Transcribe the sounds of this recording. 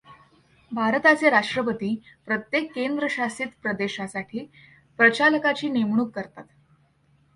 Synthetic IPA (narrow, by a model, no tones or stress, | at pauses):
bʱaɾət̪at͡seɾaʂʈɾəpət̪iːpɾət̪jekːend̪ɾəɕasiːt̪pɾəd̪eɕasaʈʰiː | pɾət͡ɕaləkat͡ɕiːnemɳ̃uːkːəɾt̪at̪